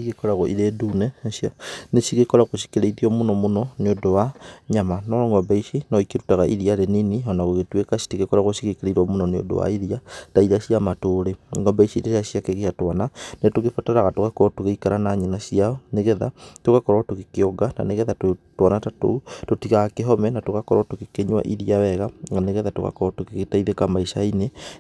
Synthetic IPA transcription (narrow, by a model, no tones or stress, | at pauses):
iɣekɔɾaɣoʔiɾeduneʃianeʃiɣekoɾaɣoʃi̥keɾeiðiomunɔmonɔneodowaɲamanɔɾoŋɡɔbaiʃinɔikeɾutaɣaʔḭðijaɾeniniɔnaɣoɣetwekasi̥tiɣekoɾaɣoʃiɣikeɾeiɾwamunoneo̰do̰wa̰iðiataiðaʃiamatoɾeŋɡɔbaiʃiɾeʃaʃjakeɣiʃatwananetoɣefotɛɾaɣatoɣakɔɾɔtoɣeikaɾanaɲenasianeɣɛða̰tokakɔɾwatoɣekeɔɡana̰neɣɛðatotwanatatototiɣaɣakeɦɔmɛnatoɣakɔɾatokekeɲwa̰ʔiðiawɛɣaŋɡaneɣɛðatoɣa̰kɔɾatokeɣetaiðekamaiʃaine